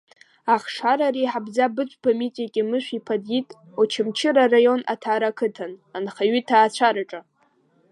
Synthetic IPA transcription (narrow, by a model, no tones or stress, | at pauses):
aχʂaɾariħabzabɨt͡ɕʷʼbamitʼakʲʼɪmɨʃʷᶣipʰadjitʼ | ot͡ʃʰɪmt͡ʃʰɪɾarajo̞na̰tʰaːɾakʰɨtʰananχaɥitʰaːt͡ɕʷʰaɾaʈ͡ʂʼa